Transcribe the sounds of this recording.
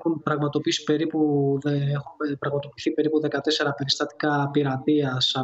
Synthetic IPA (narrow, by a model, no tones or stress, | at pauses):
xunpɾɐɣmɐt̪o̞piisi̥pe̞ɾipueexunpɾɐɣmɐt̪o̞piθipe̞ɾipuðe̞kɐt̪e̞se̞ɾɐpe̞ɾist̪ɐt̪i̥kɐpiɾɐt̪iɐsɐ